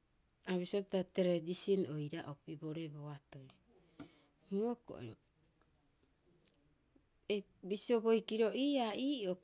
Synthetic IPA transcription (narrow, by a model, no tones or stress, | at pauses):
aβisiapitateɾedisinojɾaʔopiboɾe̞boatoj | nioko̰ʔḛ | e | bisioβo̞jkiɾoʔiːaiːo